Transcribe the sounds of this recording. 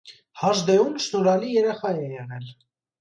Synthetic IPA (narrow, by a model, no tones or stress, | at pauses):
hɑʒd̪ɛumʃnɔɾɑlijɛɾɛχɑjɛjɛnɛl